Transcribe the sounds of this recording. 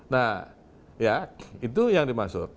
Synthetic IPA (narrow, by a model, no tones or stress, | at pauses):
nah | jait̪̬ujaŋdimasʊk̚